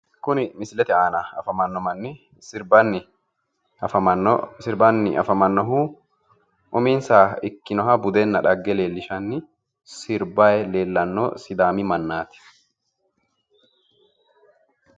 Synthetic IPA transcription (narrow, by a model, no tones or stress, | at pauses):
kʊnɪmɪslɛt̪ɪaːnɐɐfɐmɐnːɔmɐnːɪ | sɪɾbɐnːɪ | ɐfɐmɐnɔsɪɾbɐnːɪʔɐ̰fɐmɐnːɔɦuː | ʔʊmiːnsaːɪkːɪnɔɦɐbʊd̪ɛnːɐᶑɐɡːɛle̞ːlːɪʃɐnːɪ | sɪɾbajle̞ːlːɐnːo̰sɪd̪aːmɪmɐnːaːt̪ɪ̥